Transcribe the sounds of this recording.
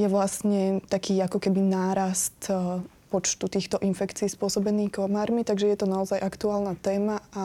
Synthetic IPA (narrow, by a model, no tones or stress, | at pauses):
jɛʋlasɲɛt̪akiːakɔkɛbinaːɾast̪ | pɔt͡ʃt̪ut̪iːxt̪ɔʔinfɛkt͡siːspʊɔsɔbɛniːkɔmaːɾmit̪aɡʒɛjɛt̪ɔnaɔzajʔakt̪uaːlnat̪ɛːmaa